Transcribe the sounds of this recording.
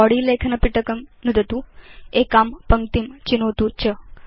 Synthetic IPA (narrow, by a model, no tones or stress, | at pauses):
ɔɽiːlekʰnəpiʈəkəmnud̪ət̪uekampəŋt̪imt͡ɕinot̪ut͡ɕə